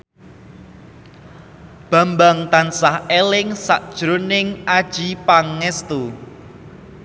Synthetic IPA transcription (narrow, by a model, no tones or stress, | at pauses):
b̥a̤mbaŋt̪ansahelɪŋsaʔd̥ʒ̥ɾonɪŋad̥ʒ̥ipaŋːɛst̪u